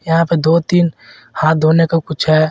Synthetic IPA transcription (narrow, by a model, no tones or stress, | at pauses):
jɐɦãped̪oːt̪iːn | hãːt̪̚d̪ʱoːnekakʊt͡ʃʰɦɛː